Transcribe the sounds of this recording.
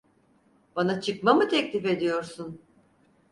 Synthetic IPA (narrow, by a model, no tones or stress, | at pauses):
b̥anat͡ʃʰɯkmamɯt̪ʰɛclʲife̞d̪ijo̞ɾsun